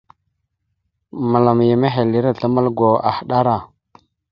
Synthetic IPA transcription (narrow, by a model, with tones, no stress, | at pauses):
ma˨la˨m˨ja˨me˦ɦe˨li˦ɾa˦˨ɬa˦ma˦lɡʷo˨a̰˨hɗa˦ɾa˨